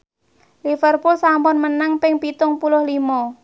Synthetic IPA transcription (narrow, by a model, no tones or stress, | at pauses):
lifərpʊlsampɔnmənəŋpɪŋpit̪ʊŋpulʊhlimɔ